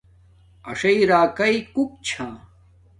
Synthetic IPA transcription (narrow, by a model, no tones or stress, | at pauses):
ɐʂɐiɾaːkɐikuk̚t͡ɕʰãː